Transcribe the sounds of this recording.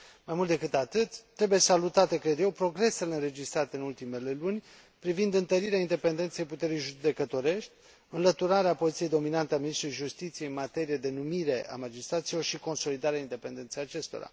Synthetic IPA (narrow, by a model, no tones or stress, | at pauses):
majmult̪d̪ekɨt̪at̪ɨt̪t̪ːɾe̞buje̞salut̪at̪e̞kɾed̪je̞wpɾo̞ɡɾe̞se̞leɨnɾe̞d͡ʒist̪ɾat̪eɨnult̪ime̞le̞lunʲ | pɾivind̪ɨnt̪əɾiɾeaind̪e̞pe̞nd̪e̞nt̪se̞jput̪e̞ɾijʒud̪e̞kət̪o̞ɾe̞ʃt̪ʲ | ɨnlət̪uɾaɾeapo̞zit̪sije̞jd̪o̞minant̪eaminist̪ɾujʒust̪it̪sijeɨnmat̪e̞ɾijed̪e̞numiɾe̞ʔa̰mad͡ʒist̪ɾat̪silo̞rʃiko̞nso̞lid̪aɾeaind̪e̞pe̞nd̪e̞nt̪sejat͡ʃe̞st̪o̞̰ɾa̰